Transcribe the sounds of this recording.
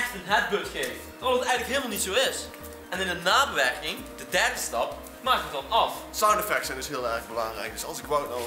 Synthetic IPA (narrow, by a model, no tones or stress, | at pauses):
ɛxtənɦɛd̚bɵtχejft | ɔətɛjɣənləkɦɪːlˠmalˠnitsowɪs | ɛnɪndənaːbəʋɛrkɪŋ | d̥ədɛrdəstɑp | maːk̚ətɑnɑfsawnəfɛkʃənɪsɦɪːlˠɛrɣbəlɑŋrɛ̰jk̚dɵsɑlˠsɪkʋowtnaw